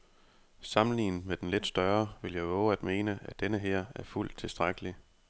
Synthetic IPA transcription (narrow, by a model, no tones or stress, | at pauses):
sɑ̈mlḭːnmed̥enle̝d̥sd̥ɶɐʋe̝ljɑ̈ɪɔʊæd̥me̝ːnəæd̥enəɦeɐ̰æɐful̰d̥̚t͡sʰe̝sd̥ʁaɡ̥əli